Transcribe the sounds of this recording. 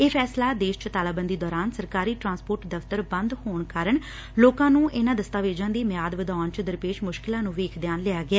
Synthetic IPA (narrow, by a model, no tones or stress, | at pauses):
eːpʰɛːslaːd̪eːʃt͡ʃət̪aːlaːbənd̪iːd̪ɔːɾaːnsəɾkaːɾiːʈɾãːnspoːɾʈd̪əft̪əɾbənd̪hoːɳkaːɾəɳ | loːkãːnũːʔɪnãːd̪əst̪aːʋeːd͡ʒãːnd̪iːmɪjaːd̪ʋəd̪aːnt͡ʃəd̪əɾpeːʃmʊʃkɪlãːnũːʋeːkʰd̪jaːnlɪaːɡɪaː